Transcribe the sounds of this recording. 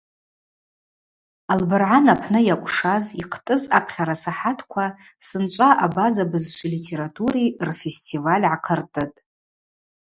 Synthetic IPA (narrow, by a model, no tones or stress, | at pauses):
albɨrʕanapʰnɨjakʷʼʂaziqʰtʼɨzapʰχʲaɾasaħatʰkʷʰa | sɨnt͡ʃʷʼaʔabazabɨzʃʷʰɨlitʰe̞ɾatʰʼuɾirfestʰʼivalʲʕaqʰərtʼɨtʼ